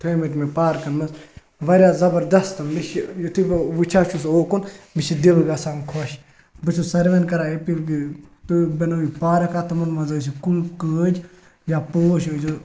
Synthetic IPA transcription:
t̪ʰɐmiʈ̪mepaːɾkɐnmɐs | ʋɐɾʲjaːzɐbɐɾd̪ɐst̪ɐmmiʃjot̪ʰibʋut͡ʃʰaːt͡ʃʰusoːkunmiʃid̪ilɡɐsankʰoʃ | bɨt͡ʃʰusɐɾʋɐnkɐɾaepilɡit̪ubɐnɐipaːɾɐkat̪ɐmɐnmɐzɐs̬ikulkəːd͡ʒ | japoːʃozo

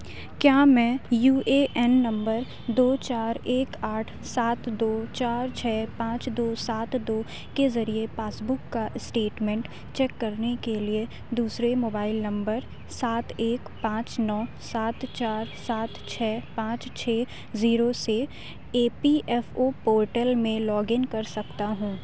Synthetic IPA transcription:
kjaːmɛ̃juːeʔɛnːɐ̃mbəɾ | d̪oːt͡ʃaːɾeːkaːʈʰ | saːt̪d̪oːt͡ʃaːɾt͡ʃʰɛːpãːt͡ʃd̪oːsaːt̪d̪oː | kezɐɾiepaːsbʊkːaʔɪsʈeːʈmɛ̃ːɳʈ | t͡ʃɛːkːɐɾnekelie | d̪uːsɾemoːbaːɪlnɐ̃mbəɾ | saːt̪eːkpãːt͡ʃnɔː | saːt̪t͡ʃaːɾsaːt̪t͡ʃʰɛːpãːt͡ʃt͡ʃʰɛː | ziːɾose | eːpiʔɛːfopoːɾʈəlmẽlɔːɡɪnkɐɾsɐkt̪aɦũː

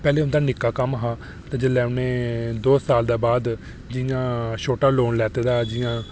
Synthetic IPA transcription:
pɛːleːʊnd̪aːnɪkːaːkəmɦãː | t̪ãːd͡ʒəlɛːneːd̪oːsaːld̪aːbaːd̪ | d͡ʒɪjãːʃoːʈaːloːnlɛːt̪eːd̪aːd͡ʒɪjãː

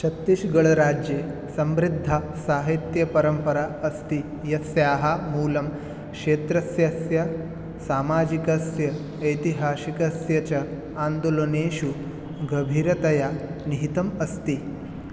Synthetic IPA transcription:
t͡ʃʰɐt̪ːiʃɡɐɭɐɾaːd͡ʒjeː | sɐmɾid̪ʱːa | saːɦit̪jɐpɐɾɐmpɐɾaɐst̪i | jɐsjaːɦamuːlɐm | kʂeːt̪ɾɐsjɐsjɐ | saːmaːd͡ʒikɐsjɐː | jt̪iɦaːʃikɐsjɐt͡ʃɐ | aːnd̪oloneːʃu | ɡɐbʱiɾɐt̪ɐjaniɦit̪ɐmɐst̪i

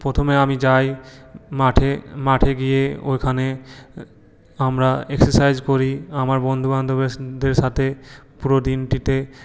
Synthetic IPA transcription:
pɾot̪ʰomeamid͡ʑajmaʈʰemaʈʰeɡijeo̰jkʰane | amɾaekseɾsajd͡ʑkoɾiamaɾbɔnd̪ʱuband̪obeʃd̪eɾʃat̪ʰepuɾod̪inʈit̪e

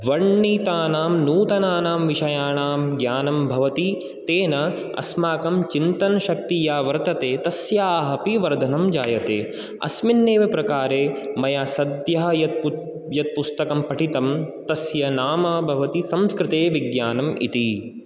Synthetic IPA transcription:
ʋɐɾɳːiːt̪aːnaːmnuːt̪ɐnaːnaːmʋiʃɐjaːɳaːmɡjaːnɐmbʱɐʋɐt̪i | t̪eːnɐ | ɐ̰smaːkɐmt͡ʃint̪ɐnʃɐk̚t̪ijaːʋɐɾt̪ɐt̪eːt̪ɐsjaaːɦɐpiʋɐɾd̪ʱɐnɐmd͡ʒaːjɐt̪ḛː | ɐ̰sminːeːʋɐpɾɐkaːɾeːmɐjaːsɐd̪jɐɦɐjɐt̪ | jɐt̪̚pust̪ɐkɐmpɐʈit̪ɐmt̪ɐsjɐnaːmɐbʱɐʋɐt̪isɐmskɾɪt̪eːʋiɡjaːnɐmʔḭt̪i

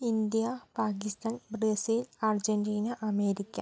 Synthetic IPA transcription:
ind̪ijɐpaːkist̪aːnbreːsilard͡ʑendiːnɐʔɐmeːɾikʲːɐ̰

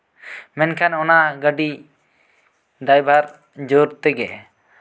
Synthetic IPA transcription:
mɛnkʰanɔnaɡəɖi | d̪ajbʱaɾ | d͡ʒoɾt̪ɛɡɛ

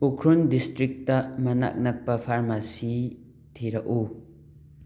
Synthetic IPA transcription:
ukʰɾundistɾik̚tːɐmɐna̰k̚nɐk̚pɐpʰaɾmasi | tʰiɾɐʔu

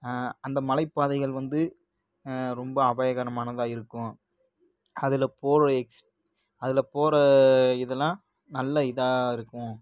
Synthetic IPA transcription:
ɐnd̪ɐmɐlɐɪpːaːðɐɪɣɐɭʋɐnd̪ɯ | ɾɔmbɐːbɐjɐɣaːɾɐmaːnɐðãːɪɾɯkːʊ̃ | ɐðɪlɐpoːɾɐɛks | ɐðɪlɐpoːɾɐɪðɐlːãː | nɐlːɐɪðaːɪɾɯkːʊ̃

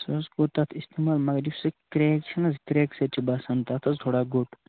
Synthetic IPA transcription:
sɐsɡot̪ɐt̪ʰist̪emaːlmɐɡɾifsɐkɾekt͡ʃʰɐnɐzkɾeːkset͡ʃʰibɐsɐnt̪at̪ʰɐst̪ʰoːɽaːɡoʈ

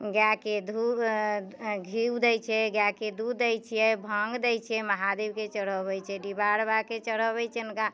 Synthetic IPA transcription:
ɡjaked̪ʱu | ɡʱiwd̪ɛjt͡ʃʰɛɡjaked̪ud̪ɛjt͡ʃʰijɛbʱəŋɡd̪ɛjt͡ʃʰijɛməɦad̪ibket͡ʃəɽ̤əβɛjt͡ʃʰɛɖibaɽbaket͡ʃəɽ̤əβɛt͡ʃʰɛunka

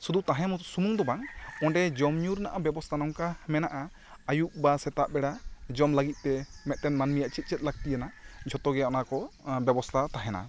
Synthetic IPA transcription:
sud̪ut̪aɦɛ̃musumuŋd̪ɔbaŋɔ̃ɳɖɛd͡ʒɔmɲuɾnaʔabɛbɔst̪ʰanɔŋkamɛnaʔa | ajuʔ̚basɛt̪aʔbɛɽad͡ʒɔmləɡit̪̚ˀt̪ɛmɛt̪̚ʈɛnmanmijaʔt͡ʃit̪̚ˀt͡ʃɛt̪̚ˀlak̚t̪ijənad͡ʒʱɔt̪ɔɡɛɔnakɔbɛbɔst̪ʰat̪aɦɛna̰

